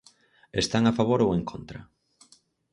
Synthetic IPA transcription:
est̪aŋafaβoɾoweŋkʰont̪ɾɐ̰

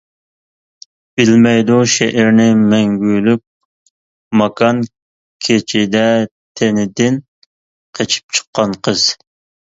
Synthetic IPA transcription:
b̥ɪlmɛjd̪uʃɛʔɛɾnɪmɛŋɡʲyjlyp̚ | mɑkʰɑn | kʲʰet͡ʃʰid̪ɛt̪ʰenɪd̪ɪn | qʰet͡ʃʰi̥p̚t͡ʃʰə̥qːɑnqʰəz̥

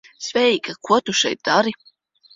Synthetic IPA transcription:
svʲɛjikakuɔt̪uʃɛ̰jt̪̚d̪aɾi

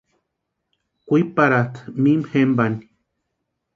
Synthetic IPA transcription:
kʷipaɾat̪mimhembani

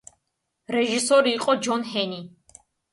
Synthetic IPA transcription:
ɾɛʒisɔɾiːqʼɔd͡ʒɔnɦɛni

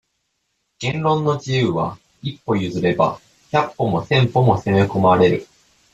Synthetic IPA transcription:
ɡ̥ẽ̞nɾõ̞nːo̞d͡ʑijɯːβa̰ | ipːo̞jɯ̟zɨɾe̞ba̰ | çapːo̞mo̞sẽ̞mpo̞mo̞seme̞ko̞maɾe̞ɾɯ̟

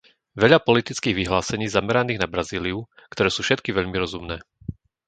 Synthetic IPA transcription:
ʋɛʎapɔlit̪it͡skiːɣʋiɦlaːsɛɲiːzamɛɾaniːɣnabɾaziːliukt̪ɔɾɛːsuːfʃɛt̪kiʋɛʎmiɾɔzumnɛː

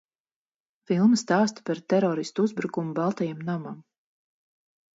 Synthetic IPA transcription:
filˠmɨst̪aːst̪ḁpaɾt̪ɛɾɔɾist̪uuzbɾukumubalˠt̪ajamnamam

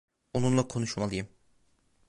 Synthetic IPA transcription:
onunlˠakʰo̞nuʃmalˠɯjɯm

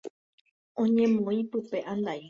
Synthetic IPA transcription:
õɲẽmõĩpɨpe̞ʔãnd̪ai

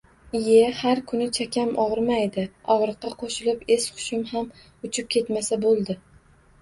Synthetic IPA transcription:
ɪjehaɾkʰʊnɪt͡ʃʰakʲʰamʔɒʁɨɾmajd̪ɪɒʁɾɨqːɑqʰoʃɪlɪpesqʰʊ̥ʃɪmham | ʊt͡ʃʰɪp̚kʲʰe̞t̪masabolˠd̪ɪ

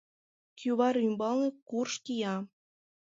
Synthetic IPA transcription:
kʰyβɑɾymbɑlnikurʃkijɑ

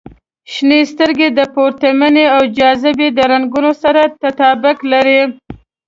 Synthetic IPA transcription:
ʃnest̪əɾɡed̪əpoɾt̪amaneawd͡ʒɑzɪbed̪əɾaŋɡunosaɾat̪at̪ɑbʊklaɾi

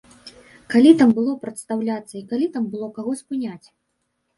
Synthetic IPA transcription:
kalʲit̪ambɨlˠɔpɾɐt̪st̪awlʲat̪sːɐikalʲit̪ambɨlˠɔkaɣɔsʲpɨnʲat͡sʲ

